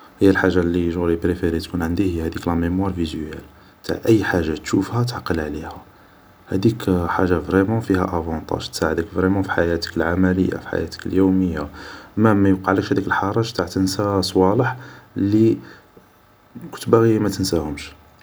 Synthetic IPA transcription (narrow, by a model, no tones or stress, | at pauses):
həjːælħaʒːalːiʒɣlipɾefeɾit̪kunʕənd̪ihəjhæd̪iklæmemwɑɾˤvizæ̰l | t̪a̰ʕʔəjːħaʒːat̪ʃufhæt̪ʕqːəlʕlihæ | hæd̪ikħaʒːavʁemɑ̃fihæ̰ʔævɑ̃t̪ˤɑ̰ʒt̪saʕəd̪əkvʁemɑ̃fi̥ħajæt̪ə̥kəlʕamæləjːa̰fi̥ħa̰jæ̰t̪ə̥kəljuməjːaʔmːæmæjuqɑʕləkʃhæd̪ikəlħɑɾˤɑʒt̪aʕt̪ənsasˤwɑləħlːi | kʊ̥nt̪bæɣimæt̪ənsæhʊmʃ